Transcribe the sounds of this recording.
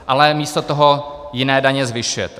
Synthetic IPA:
ʔalɛmiːst̪ot̪oɦojɪnɛːdaɲɛzvɪʃujɛt̪ɛ

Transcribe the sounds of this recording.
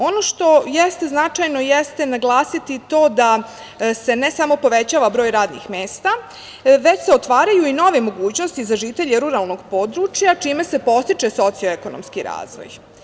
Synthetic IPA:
o̞no̞ʃt̪o̞jest̪e̞znat͡ʃajno̞jest̪enaɡlˠaːsit̪it̪o̞ːd̪a | se̞nesamo̞po̞ʋet͡ɕaːʋabɾo̞ːjɾaːd̪nḭxmeːst̪a | ʋe̞t͡ɕse̞o̞t̪ʋaːɾajuino̞ʋemo̞ɡuːt͡ɕno̞st̪izaʒiːt̪e̞ʎeɾuɾalˠno̞ɡpo̞ːd̪ɾut͡ʃjat͡ʃiːme̞se̞po̞st̪it͡ʃe̞so̞t̪sijoeko̞no̰mskiɾa̰ːzʋo̰j

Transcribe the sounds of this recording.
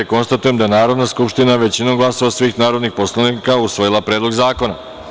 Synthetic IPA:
ko̞nst̪at̪ujemd̪aenaːɾo̞d̪naskupʃt̪inaʋe̞t͡ɕinomɡlˠaso̞ʋasʋiːxnaːɾo̞d̪nixpo̞slˠanikausʋo̞jilˠapɾe̞ːd̪lo̞ɡzaːko̞na̰

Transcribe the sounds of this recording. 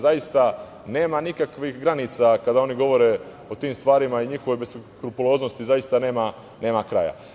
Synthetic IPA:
zajist̪a | ne̞ːmanikakʋixɡɾaniːt̪sakad̪ao̞niɡo̞ʋo̞ɾe̞ | o̞t̪iːmst̪ʋaːɾimaiɲixo̞ʋo̞jbeskɾupulˠo̞ːzno̞st̪izajist̪ane̞ːma | ne̞ːmakɾa̰ːja̰

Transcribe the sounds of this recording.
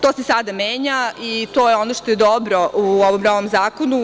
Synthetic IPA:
t̪osesad̪ameːɲait̪o̞ːjeonoʃt̪o̞jed̪obɾoʔuoʋomnoʋomzaːkonu

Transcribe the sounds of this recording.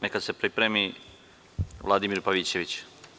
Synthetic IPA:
nekad̪sepɾipɾemi | ʋlˠad̪imiɾpaʋit͡ɕe̞ʋit͡ɕ

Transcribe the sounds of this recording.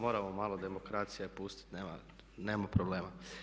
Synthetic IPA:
mo̞ːɾamomaːlˠod̪e̞mo̞kɾat̪sijapust̪i̥t̪neːma̰ | neːmapɾobleːma

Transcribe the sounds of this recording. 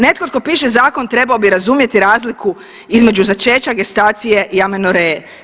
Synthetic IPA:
ne̞t̪̚kot̪̚ko̞piːʃe̞zaːko̞nt̪ɾe̞baobiɾazumje̞t̪iɾaːzlikʰu | izme̞d͡ʒuzat͡ʃe̞ːt͡ʃaɡe̞st̪aːt̪sije̞ʔiamenoɾee

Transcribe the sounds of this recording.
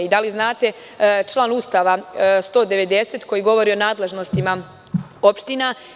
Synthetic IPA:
id̪aliznaːt̪e̞ | t͡ʃlˠaːnust̪aːʋast̪o̞ːd̪e̞ʋe̞d̪e̞set̪ko̞jiɡo̞ʋo̞ɾio̞naːd̪le̞ʒnost̪ima | o̞pʃt̪ina

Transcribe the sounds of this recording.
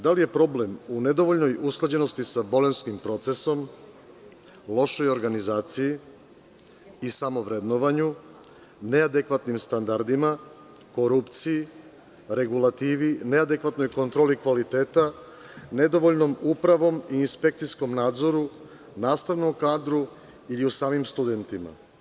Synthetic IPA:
d̪alije̞pɾo̞ble̞mune̞d̪o̞ʋoʎno̞jusklˠad͡ʑe̞no̞st̪isabo̞lenskimpɾo̞t̪se̞so̞m | lˠo̞ʃo̞jo̞ɾɡanizaːt̪siji | isamo̞ʋɾed̪noʋaɲu | ne̞ad̪ekʋat̪nimst̪and̪aɾd̪ima | ko̞ɾupt̪siji | ɾe̞ɡulat̪iʋinead̪e̞kʋat̪no̞jko̞nt̪ɾo̞ːlikʋalit̪eːt̪a | ne̞d̪o̞ʋo̞ʎno̞mupɾaʋo̞miːnspe̞k̚t̪siskomnaːd̪zo̞ɾu | naːst̪aʋno̞mkaːd̪ɾu | iliusaːmimst̪ud̪e̞nt̪ima̰

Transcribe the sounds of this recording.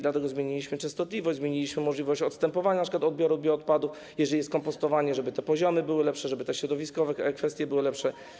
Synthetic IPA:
d̪lat̪ɛɡɔzmʲjeɲilʲiɕmɘt͡ʂɛ̃st̪ɔt̪lʲivɔʑd͡ʑzmʲeɲilʲiɕmɘmɔʐlʲivɔɕt͡ɕɔt̪st̪ɛmpɔvaɲanpʂɘkwat̪ɔd̪̚bʲjɔɾud̪bjɛɔt̪̚pad̪uf | jɛʐɛlʲijɛst̪kɔmpɔst̪ɔvaɲɛʐɛbɘt̪ɛpɔʑɔmɘbɘwɘlɛpʂɛʐɛbɘt̪ɛɕɾɔd̪ɔvʲiskɔvɛkfɛst̪ʲjɛbɘwɘlɛpʂɛ

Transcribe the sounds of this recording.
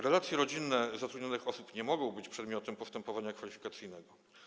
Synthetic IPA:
ɾɛlat̪sʲjɛɾɔd͡ʑinːɛzat̪ɾud̪ɲɔnɘxɔsupɲɛmɔɡɔ̃w̃bɘt͡ɕpʂɛd̪mʲjɔt̪ɛmpɔst̪ɛmpɔvaɲakfalʲifʲi̥kat̪sɘjnɛɡɔ

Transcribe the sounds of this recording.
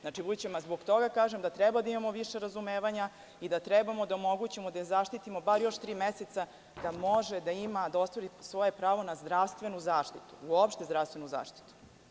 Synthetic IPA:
znaʈ͡ʂibud̪t͡ɕemazboɡt̪o̞ɡakaːʒemd̪at̪ɾɛbad̪aimamo̞ʋiʃe̞ɾazumeːʋaɲa | id̪at̪ɾɛbamo̞d̪aomo̞ɡut͡ɕemod̪azaʃt̪it̪imo̞baɾjo̞ʃt̪ɾiːmeset̪sa | d̪amo̞ʒed̪aimad̪ao̞st̪ʋoɾisʋo̞je̞pɾaːʋo̞nazd̪ɾafst̪ʋe̞nuzaːʃt̪it̪u̥uopʃt̪ezd̪ɾafst̪ʋe̞nuza̰ːʃt̪i̥t̪u̥

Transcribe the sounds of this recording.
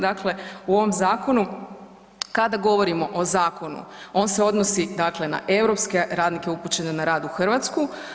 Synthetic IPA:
d̪akle̞uo̞ʋo̞mzaːko̞nu | kad̪aɡo̞ʋo̞ɾimo̞ʔozaːko̞nṵo̞ːnse̞o̞d̪nosid̪akle̞na̰ʔe̞wɾo̞pske̞ɾaːd̪nike̞uput͡ɕe̞nenaɾaːd̪uxr̩ʋat̪sku

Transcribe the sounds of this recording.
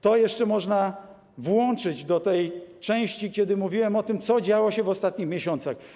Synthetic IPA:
t̪ɔjɛʂt͡ʂɛmɔʐna | vwɔnt͡ʂɘd͡ʑd̪ɔt̪ɛjt͡ʂɛ̃w̃ɕt͡ɕikʲɛd̪ɘmuvʲiwɛmɔt̪ɘmt̪sɔd͡ʑawɔɕɛvɔst̪at̪ɲixmʲjeɕɔnt̪sax

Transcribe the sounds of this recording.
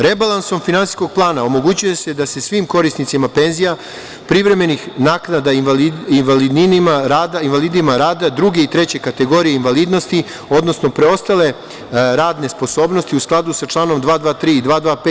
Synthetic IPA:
ɾe̞balˠanso̞mfinansi̥sko̞ɡ̚plˠaːnao̞mo̞ɡut͡ɕuje̞se̞d̪ase̞sʋimko̞ɾisnit̪simape̞nzija | pɾivɾe̞me̞nixnaːknad̪aiinʋalid̪inimaɾaːd̪ainʋaliːd̪imaɾaːd̪ad̪ɾuɡe̞it̪ɾe̞t͡ɕe̞kat̪e̞ɡo̞ɾijeinʋaliːd̪no̞st̪i | o̞d̪no̞sno̞pɾe̞o̞st̪ale̞ | ɾaːd̪ne̞spo̞so̞ːbno̞st̪iusklˠad̪usat͡ʂlˠaːno̞md̪ʋaːd̪ʋaːt̪ɾiːid̪ʋaːd̪ʋaːpe

